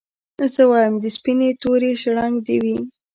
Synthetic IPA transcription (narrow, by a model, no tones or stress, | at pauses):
zəwɑjəmd̪əspinet̪oɾeʃɽaŋɡd̪ewi